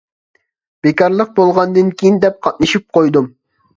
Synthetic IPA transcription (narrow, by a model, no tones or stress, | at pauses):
b̥ekɑɾlˠəq̚bolˠʁɑnd̪ɨnkʲʰijind̪ɛp̚qʰɑt̪̚nɨʃip̚qʰojd̪um